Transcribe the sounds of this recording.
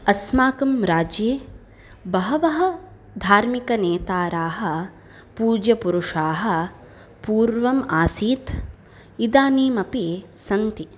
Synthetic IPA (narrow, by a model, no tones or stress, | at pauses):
ɐsmaːkɐmɾaːd͡ʒjeː | bɐɦɐʋɐɦɐ | d̪ʱaːɾmikɐneːt̪aːɾaːɦɐ̆ | puːd͡ʒjɐpuɾuʂaːɦɐ̆ | puːɾʋɐmaːsiːt̪ | id̪aːniːmɐpisɐnt̪i